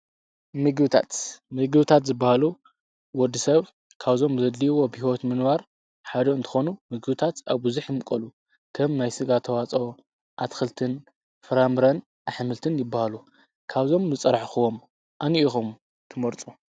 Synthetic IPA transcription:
mɨɡɨbɨt̪ʰa̰t̪mɨɡɨβɨt̪ʰat̪zɨbːahalu | wɔd̪ːisɐβ | kʰaβzo̞mzɐd̪liwo̞bhiwot̪mɨnβaɾ | ħad̪ɐɨnt̪ʰɨ̥xo̞numɨɡɨβɨt̪ʰat̪aβbuzuħjɪmkʼɐlu | kʰɐmnajsɨɡat̪ʰɐwat͡sʼo̞ | ʔat̪xɨlt̪ʰɨn | fɨɾamɾɐn | ʔaħmɨlt̪ʰɨnjɪbːahalu | kʰaβzo̞mzɨt͡sʼɐɾħxɨwom | ʔaniʔixum | t̪ʰɨmɐɾt͡sʼu

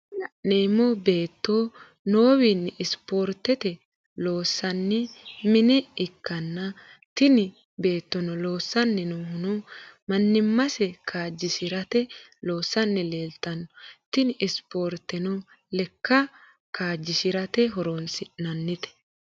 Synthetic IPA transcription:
lɐʔneːmːɔbe̞ːt̪ːoː | noːwinːɪɪspo̞ːɾt̪ɛt̪ɛ | lo̞ːsːɐnːɪmɪnɛɪkːɐnːɐ | t̪ɪnɪ | be̞ːt̪ːɔnɔlo̞ːsːɐnːɛnɔhʊnʊmɐnːɪmːɐsɛkʰaːd͡ʒːɪʃɪɾɐt̪ɛlo̞ːsːɐnːɪle̞ːlt̪ɐnːɔt̪ɪnɪspo̞ːɾt̪ɛnɔ | lɛkːɐ | kʰaːd͡ʒːɪʃɪɾɐt̪ɛɦɔɾonsɪnɐnːɪt̪ɛ̥

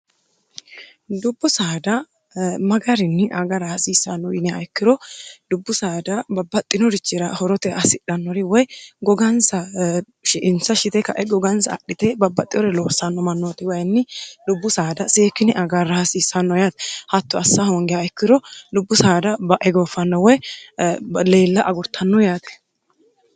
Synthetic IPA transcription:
d̪ʊbːʊsaːd̪ɐ | mɐɡɐɾɪnːɪʔɐɡɐɾɐhɐsiːsːɐnːɔjɪnɛaɛkːɪɾɔd̪̥ʊbːʊsaːd̪ɐbɐbːɐt̪ʼːɪnɔɾɪt͡ʃːɪɾɐhɔɾɔt̪ɛʔɐsɪᶑɐnːɔɾɪwɔjɡɔɡɐnsɐ | ʃɪʔɪnsɐʃɪt̪ɛkɐʔɛɡɔɡɐnsɐ̰ːɗɪt̪ɛbɐbːɐt̪ʼːɪjɔɾɛloːsɐnːɔmɐnːot̪ɪwɐjnːɪdʊbːʊsaːd̪ɐseːkːɪnɪʔɐɡɐɾːɐhɐsiːsːɐnːɔjaːt̪ɛ̥hɐt̪ːɔɐsːahoŋɡɪjaɛkːɪɾɔdʊbːʊsaːd̪ɐbɐʔɛɡoːfːɐnːɔwɔj | le̞ːlːɐʔɐɡʊɾt̪ʰːɐnːɔjaːt̪ɛ̥

